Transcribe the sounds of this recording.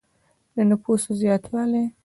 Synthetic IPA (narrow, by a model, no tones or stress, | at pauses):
d̪ənʊpusozjɑt̪ʰwɑle